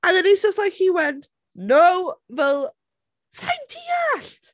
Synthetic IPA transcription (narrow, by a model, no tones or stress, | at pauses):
ə̃nðɛ̃niz̥d͡ʒəstlaɪkhiwɛnt | nowvɛlˠ | tʰãjntʰiɛɬt